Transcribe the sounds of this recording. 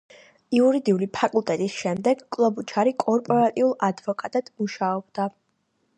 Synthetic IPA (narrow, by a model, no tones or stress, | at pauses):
iuɾid̪iulipʰakʼulˠt̪ʼɛt̪ʼisʃɛmd̪ɛɡkʼlˠɔbut͡ʃʰaɾikʼɔɾpʼɔɾat̪ʼiulˠad̪vɔkʼat̪ʼad̪̥muʃaɔb̚d̪̥a